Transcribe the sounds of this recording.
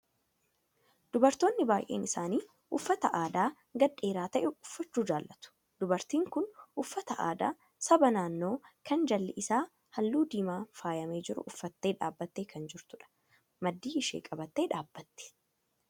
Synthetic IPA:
d̪̥ʊbɐɾt̪o̞ːnːɪbaːjʔḛːnɪsaːniː | ʔʊfːɐt̪ɐʔaːd̪aː | ɡɐᶑːe̞ːɾaːt̪ɐʔɛʊfːɐt͡ʃːuːd͡ʒaːlːɐt̪ʊ̥ | d̪̥ʊbɐɾt̪iːŋkʊnʔʊfːɐt̪ɐʔa̰ːd̪a̰ː | sɐbɐnaːnːo̞ːkɐnd͡ʒɐlːɛʔɪsaː | hɐlːuːd̪iːmaːfaːjɐme̞ːd͡ʒɪɾʊ̰ʔʊfːɐt̪ːe̞ːᶑa̰ːbːɐt̪ːeːkɐnd͡ʒɪɾt̪ʊᶑɐ̥ | mɐd̪ːiːɪʃḛːkʼɐbɐt̪ːe̞ːᶑaːb̥ːɐt̪ːɛ̥

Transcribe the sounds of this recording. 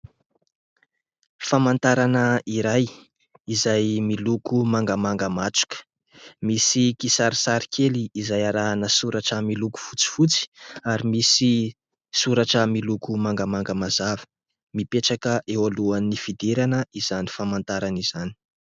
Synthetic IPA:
famant̪aɾanəiɾaj | izajmilukumaŋɡəmaŋɡəmaʈ͡ʂu̥kə̥ | misikisaɾisaɾikʰeliːzajaɾaɦanəsuɾaʈ͡ʂəmiluku̥fut͡si̥fut͡si̥aɾimisi | suɾaʈ͡ʂəmilukumaŋɡəmaŋɡəmazavə̥ | mipeʈ͡ʂakəʔewaluanːifid̪eɾanəiz̥ani̥famant̪aɾaniz̥ani̥

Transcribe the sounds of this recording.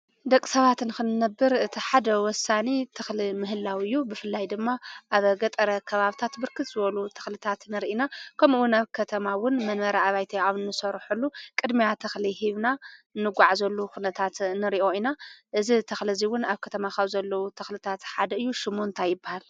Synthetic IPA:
d̪ɐkʼːi̥sɐβat̪nxɨnːɐbːɨɾɨt̪ʰiħad̪ɐwɔsanit̪ʰɨxlimɨɦɨlːawiɨjːubɨfɨlːajd̪ɨmːaʔaβɡɐt̪ʼɐɾɐkʰɐβaβt̪ʰat̪bɨɾkʰɨt̪zɨβɐlut̪ʰɐ̥xlɨt̪ʰat̪nɨɾʔinakʰɐmɨwʊnaβkʰɐt̪ʰɐmawʊnmɐnmɐɾaaβajt̪ʰiawnːɨsɐɾħulːukʼɨd̪mijat̪ʰɐxlihiβnanːɨɡʷaʕazɐlːukunɐt̪ʰat̪nɨɾiʔo̞inaʔɨzit̪ʰɐxliziwʊnaβkʰɐt̪ʰɐmaxɐβzɐlːɐwut̪ʰɐxlɨt̪ʰat̪ħad̪ɐɨjːuʃɪmont̪ʰajɪbːahal

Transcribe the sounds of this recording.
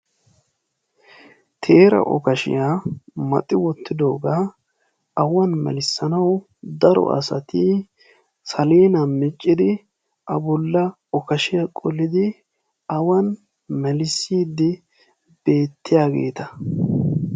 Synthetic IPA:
t̪ʰe̞ːɾɐ̰ʔɔ̰kɐʃɪ̰jaːmɐ̰t̪ʼːɪwɔt̪ʰːɪd̪o̞ːɡaː | ɐwɐnmɛ̰lɪsːɐnɐw | d̪ɐɾɔ̰ʔɐ̰sɐ̰t̪i | sɐleːnɐmɪt͡ʃʼːɪd̪ɪ | ʔɐbɔlːɐ | ɔkɐʃɪjakʼɔlːɪd̪ɪ | ɐwɐn | mɛlɪsːiːd̪ːɪ | b̥e̞ːt̪ːɪjaːɡe̞̰ːt̪ɐ

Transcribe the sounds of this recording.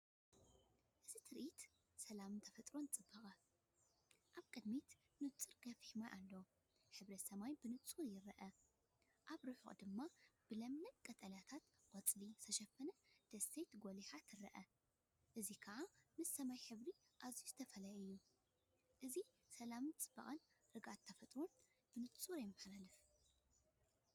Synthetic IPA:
ʔɨzit̪ʰɨɾʔit̪ | sɐlamnt̪ʰɐfɐt̪ʼɾo̞nt͡sʼɨbːɐχʼɐ | ʔaβkʼɨd̪mit̪ | nɨt͡sʼːɨɾɡɐfihmajʔalːɐ | ħɨβɾɐt̪sɐmajbɨnɨt͡sʼuɾjɪɾɐʔɐ | ʔaβɾɨħṵχʼd̪ɨmːab̥ɨlɐmnɐt̪kʼɐt̪ʼɐlat̪ʰat̪qʼɐt͡sʼlisʰɐʃɐfɐnɐd̪̥ɐsejt̪ɡoliħat̪ʰɨɾɐʔɐ | ʔɨzikʰɐʔamɨsːɐmajħɨβɾiʔazijuzɨt̪ʰɐfɐlajɨjːu | ʔɨzi | sɐlamɨnt͡sʼɨ̥b̥ɐχʼɐn | ɾɨɡʔat̪ʰːɐfɐt̪ʼɾon | b̥ɨnɨt͡sʼuɾjɛmːɨħlalɨf

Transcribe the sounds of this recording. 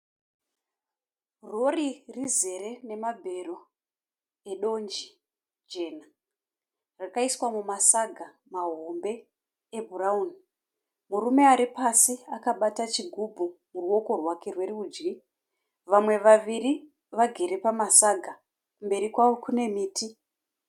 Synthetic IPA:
ro̞ririze̞ɾe̞ne̞mabʱe̞ro̞ | e̞ɗo̞nd͡ʒi | d͡ʒe̞ːna | rakaiswamumasaɡʱa | maɦo̞mbe̞ː | bʱurauni | muɾume̞aɾipasiakaɓatat͡ʃiɡʱubʱumuruwo̞ko̞rwake̞rwe̞riuːd͡ʒɡi | ʋamwe̞ʋaʋiri | ʋaɡʱe̞ɾe̞pamasaɡʱa | kumbe̞ɾikwaʋo̞kune̞miːti

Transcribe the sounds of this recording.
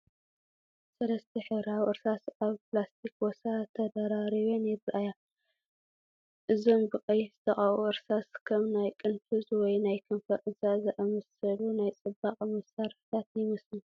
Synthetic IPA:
sɐlɐst̪ʰiħɨβɾawʔɨɾsasaβplast̪ʰikwɔsat̪ʰɐd̪ɐɾaɾiβonjɛbɨʔaja | ʔɨzombɨqʼɨjz̥ɨt̪ʰɐχʼawuʔɨɾsaskʰɐmnajkʼɨnfʰɨzwɔjnajkʰɨnfɐʔʼɨzazɐʔɐmɐsɐlunajt͡sʼɨbːaqʼmɐsaɾħɨ̥t̪ʰat̪jɪmɐslu

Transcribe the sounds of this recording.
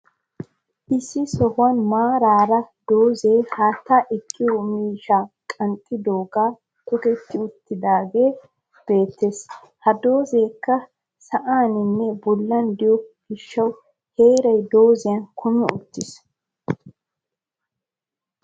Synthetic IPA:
ʔɪsːɪsɔhʊɐnmaːɾaːɾɐd̪o̞ːze̞ːhaːt̪ːaːʔɛkʰːɪjɔmiːʃa | kʼɐnt̪ʼːɪd̪oːɡaː | t̪ʼɔkɛt̪ːɪʊt̪ːɪd̪aːɡe̞ː | b̥e̞ːt̪ːes | hɐd̪o̞ːze̞ːkːɐ | sɐʔaːnɪnːɛbɔlːɐnd̪ɪjɔpɪʃːɐw | he̞ːɾɐjd̪o̞ːzɪjɐnkʰʊmɪʊt̪ːɪs

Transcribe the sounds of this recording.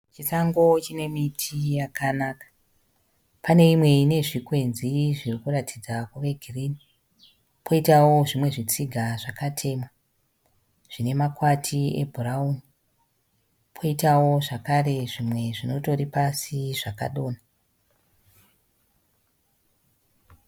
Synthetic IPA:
t͡ʃisaŋɡo̞t͡ʃine̞mitʰijakanakḁ | pane̞imwe̞ine̞ʐikwe̞nziʐirikuratʰid͡zakuʋe̞ɡʱiriːni | pʰo̞itawo̞ʐimwe̞ʐit͡siɡʱaʐakatʰe̞ːmwa | ʐ̥ine̞makwatʰiḛbʱurauni | pʰo̞itawo̞ʐakare̞ʐimwe̞ʐino̞to̞ripasiʐaka̰ɗo̞ːna

